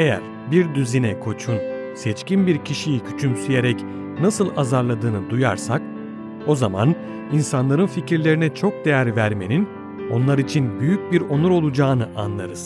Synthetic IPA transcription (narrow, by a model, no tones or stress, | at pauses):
e̞jæ̰ɾ | biɾd̪yzinɛkʰo̞t͡ʃʰun | sɛt͡ʃcinbiɾcʰiʃijicʲʰy̥t͡ʃʰymsyjeɾɛc | nasɯlˠazaɾlˠad̪ɯːnɯd̪uja̰ɾsak̚ | o̞zama̰n | insanlˠaɾɯnficʰiɾlʲe̞ɾinɛt͡ʃʰo̞k̚d̪e̞jæɾvæɾme̞̰nin | o̞nlˠaɾit͡ʃʰinbyjyc̚biɾo̞nuɾo̞lˠud͡ʒaːnɯʔanlˠaɾɯz̥